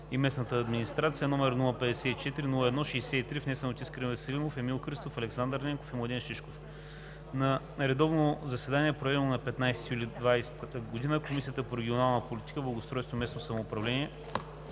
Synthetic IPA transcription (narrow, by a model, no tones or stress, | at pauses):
imɛsnət̪əːd̪minist̪ɾat̪siənɔmɛɾnulˠəpɛd̪ɛsɛit͡ʃɛt̪iɾinulˠəɛd̪nɔʃɛjsɛit̪ɾifnɛsənot̪iskɾɛnvɛsɐlimofɛmilˠxɾist̪ofɐlɛksand̪əɾnʲɛŋko̥fimlˠɐd̪ʲinʃiʃkof | nɐ | ɾɛd̪ɔvnozɐsɛd̪aniɛpɾovɛd̪ɛnonɐpɛt̪najst̪ijulʲid̪vajst̪ɡod̪inəkomisʲijət̪əpoɾɛɡʲionalˠnəpolʲit̪i̥kəblˠɐɡost̪ɾɔjst̪omɛsnosɐmoːpɾɐvlɛniɛ